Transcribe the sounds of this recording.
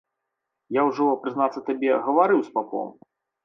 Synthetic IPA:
jawʐɔɔpɾɨznat̪sːɐt̪abʲɛɣɐvaɾɨwspapɔ̰m

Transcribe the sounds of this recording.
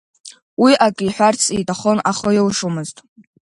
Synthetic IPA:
wiʔakʼijħʷᶣart͡sʰitʼaχo̞naχəjewʂumɨztʼ

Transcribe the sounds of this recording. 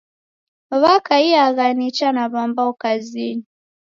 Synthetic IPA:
βakaiaɣanit͡ʃanaβambaɔkazini

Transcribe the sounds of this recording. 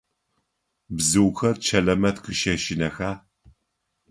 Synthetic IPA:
bzɨwxɐrt͡ʃʰɐɮɐmɐtqʰɨʃɐʃɪnɐxaː

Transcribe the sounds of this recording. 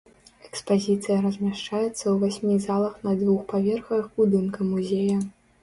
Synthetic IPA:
ɛkspazʲit̪sɨjɐɾɐzʲmʲaʂt͡ʂajɛt̪sːɐwvasʲmʲizalˠɐxnɐd̪vuxpavʲɛrxɐvɨxbud̪ɨnkɐmuzʲejɐ

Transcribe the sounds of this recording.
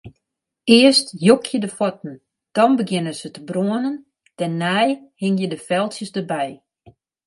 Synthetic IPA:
ɪəstjokʰjədəfɔt̚n̩ | d̥ɔnbəɡjɪnənz̥ətəbroənən | tɛnːɛjhɪŋjədəfɛlˠtjəsdərbɛj

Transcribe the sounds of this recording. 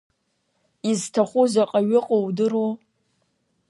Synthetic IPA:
iztʰaχʷʊzaqʼaɥɪqʼowdɨro

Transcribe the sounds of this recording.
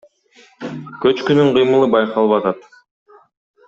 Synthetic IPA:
kø̞t͡ʃkynyɴqʰɯjmɯlˠɯbɑjqɑlˠβɑt̪ɑt̪

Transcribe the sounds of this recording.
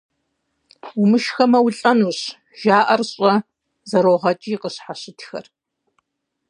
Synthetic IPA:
umɨʃxɐmɐwʊɬʼɐnuːɕ | ʒ̥aːʔɐrɕʼɐ | zɐɾoːʁɐt͡ʃʼiqəɕħaɕɪtʰxɐ̰r

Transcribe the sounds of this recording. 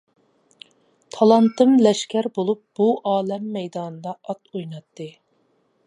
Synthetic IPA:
t̪ʰɑlˠɑnt̪ɨmlɛʃkʲæɾbolˠup̚b̥uʔɑːlɛmːɛjd̪ɑːnɨd̪ɑɑt̪ojnɑt̪ːɨ

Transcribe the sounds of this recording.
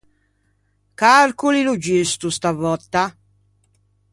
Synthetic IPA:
kaɾkulilud͡ʒist̪ust̪avɔt̪ːa

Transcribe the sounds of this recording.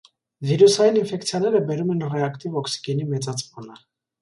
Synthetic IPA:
viɾusɑjininfɛkt͡sʰjɑnɛɾəbɛɾumɛnrɛɑkt̪ivɔksi̥ɡɛnimɛt͡sɑt͡spunə

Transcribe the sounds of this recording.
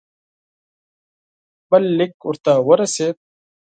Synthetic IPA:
bɐlːɪkʊɾt̪aːwɐɾɐset̪̚

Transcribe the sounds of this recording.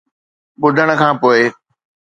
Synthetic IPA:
ɓʊd̪ʱəɽ̃ə̆kʰãːpoːe

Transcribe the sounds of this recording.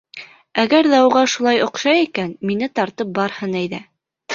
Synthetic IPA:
æɡæɾðæuʁɑʃulˠɑjŏqʃɑjikænminɘt̪ɑɾt̪ɤp̚bɑɾhɤnæjðæ

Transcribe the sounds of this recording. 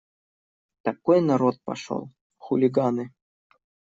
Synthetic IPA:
t̪ɐkojnɐɾot̪̚pɐ̰ʂo̰lˠ | xulʲiɡanɨ

